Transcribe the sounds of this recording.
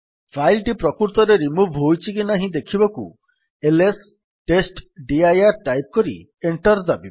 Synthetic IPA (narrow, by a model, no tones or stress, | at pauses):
pʰajlʈipɾɔkuɾt̪ɔɾeɾimubʱɦojt͡ʃʰikinaɦĩd̪ekʰibɔkṵ | eles | ʈesʈɖiajaɾʈajp̚kɔɾḭ | eɳʈɔɾd̪abi